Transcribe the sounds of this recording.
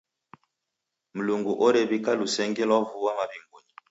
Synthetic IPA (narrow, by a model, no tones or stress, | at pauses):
m̩luŋɡuʔɔɾɛβikalusɛŋɡɛlwavuwamabiŋɡuɲi